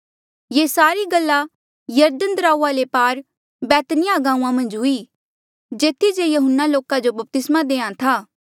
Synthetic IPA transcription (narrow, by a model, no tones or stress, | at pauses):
jeːsaːɾiɡəlːa | jɐɾd̪ənd̪ɾaːualepaːɾ | bɛːt̪nɪjaɡãːũãmɐ̃nd͡ʒɦʊiː | d͡ʒeːt̪ʰːid͡ʒejɐɦʊnːaloːkad͡ʒobɐp̚t̪ɪsmad̪eːãt̪ʰaː